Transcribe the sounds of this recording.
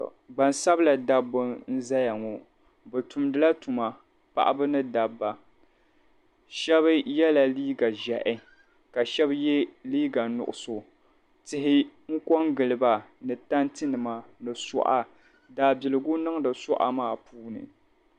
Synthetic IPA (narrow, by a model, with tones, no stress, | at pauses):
ɡ͡ba˨nsa˦bla˨da˦bɨ˦n̩˦za˦ja˨ŋɔ˨ | bɛ˨tu˨mdɨ˨la˦tu˨ma˨ | pa̰˨ʔa̰˦bɨ˦nɨ˦da˨bːa˨ | ʃɛ˦βɨ˦jɛ˦la˨liː˦ɡa˨ʒɛ˨ʔɪ˦ | ka˨ʃɛ˦bjɛ˦liː˦ɡa˨nʊ̰˨ʔʊ˨so˨ | tɪ˨ɦɪ˦ŋ̩˦kɔ˦ŋɡɨ˨lɨ˨ba˨nɨ˨ta˦ntɨ˦nɨ˨ma˨nɨ˨sʊ̰˨ʔa˦ | daː˨bɪ˨lɨ˨ɡʊ˦nɨ˦ŋdɨ˨sʊ˦ʔa̰˦maː˦˨puː˦nɨ̰˨